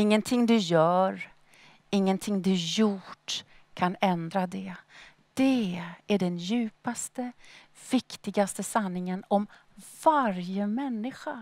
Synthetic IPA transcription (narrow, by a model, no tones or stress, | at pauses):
ɪŋːənt̪ʰɪŋd̪ɵjœːɾ | ɪŋːənt̪ʰɪŋd̪ɵjʊʈ | kʰanɛnd̪ɾad̪ɛ | d̪̥ɛæɖɛnjʉ̟ːpast̪ə | v̥ɪkt̪ɪɡast̪əsanːɪŋənɔm | v̥aɾjəmɛnːɪɧa